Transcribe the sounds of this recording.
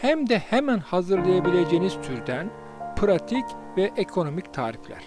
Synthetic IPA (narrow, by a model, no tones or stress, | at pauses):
hæmd̪ɛhemænhazɯɾlˠajabilʲe̞d͡ʒeːniz̥t̪ʰyɾd̪æn | pʰɾat̪ʰicvɛʔekʰo̞no̞mict̪ʰa̰ːɾiflʲæ̰ɾ̥